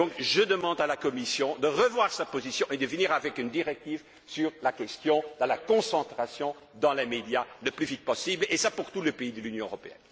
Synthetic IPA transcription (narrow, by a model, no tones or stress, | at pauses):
dɔ̃kʒəd̪əmɑ̃d̪alakɔmisjɔ̃d̪əʁəvwaʁsapozisjɔ̃ʔed̪əvəniʁavɛkynd̪iʁɛk̚t̪iv | syʁlakʲɛst̪jɔ̃d̪əlakɔ̃sɑ̃t̪χasjɔ̃ | d̪ɑ̃lemed̪jaləplyvit̪̚pɔsiblesapuʁt̪uləpeid̪əlynjɔ̃øʁɔpeɛ̰n